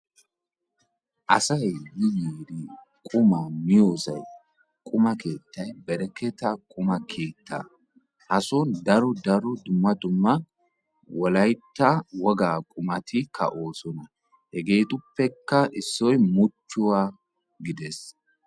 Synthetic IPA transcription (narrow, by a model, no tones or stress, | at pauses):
ʔɐsɐjjɪjiːd̪ɪ | kʼʊmɐmɪjoːsɐ̰j | kʼʊmɐke̞ːt̪ːɐjbɛɾɛkɛt̪ɐkʼʊmɐkʰe̞ːt̪ːɐ̰ | hɐsɔnd̪ɐɾɔd̪ɐɾɔd̪ʊmːɐd̪ʊmːɐ | wɔlɐjt̪ːɐwɔɡaːkʼʊmɐt̪ʰɪkʰɐ̰ʔo̞ːsɔnɐ | hɛɡe̞ːt̪ʼʊpːɛkːɐʔɪsːɔjmʊt͡ʃːʊwaː | ɡɪd̪ɛs